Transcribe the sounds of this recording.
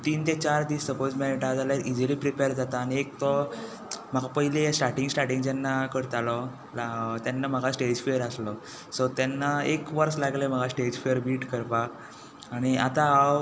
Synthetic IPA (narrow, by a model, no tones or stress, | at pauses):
t̪iːnt̪et͡ɕaɾd̪iːsəpod͡zmeniʈad͡zalaɾid͡ʑəliːpɾipeɾd͡zat̪aːñiek̚t̪ɔ | m̤əɡapəɦilesʈaʈĩŋɡsʈaʈĩŋɡjanːakəɽt̪alɔ | lt̪janːam̤əɡʱasʈed͡ʑfijəɾəslɔ | sɔt̪janːaekʋəɾslaɡlem̤əɡasʈed͡ʑfejəɾbiːʈkəɾpak | aɽ̃iat̪aaw